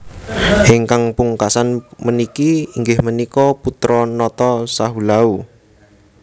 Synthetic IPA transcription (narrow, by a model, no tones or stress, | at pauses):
ʔiŋkaŋpuŋkasanmənikiːŋɡɪhmənikɔput̪ɾɔnɔt̪ɔsaɦulau